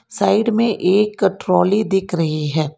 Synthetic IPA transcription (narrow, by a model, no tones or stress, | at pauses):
saːɪɖmẽʔeːkʈɾɔːlid̪ɪkʰɾɐɦiɦɛː